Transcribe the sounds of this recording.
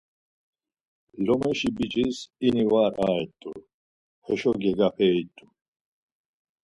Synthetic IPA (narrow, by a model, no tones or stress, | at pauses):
lɔmɛʃibit͡ʃʼisinivaːɾaːɛt̪ʼːuɾ | hɛʃɔɡɛɡapʰɛːit̪ʰʼːu